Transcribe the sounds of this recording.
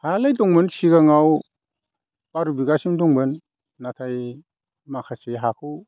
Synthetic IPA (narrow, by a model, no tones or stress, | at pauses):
halajdɔŋbɯnsiɡaŋaw | baɾubiɡasimdɔŋbɯnː | atʰaj | makʰaseɦakʰu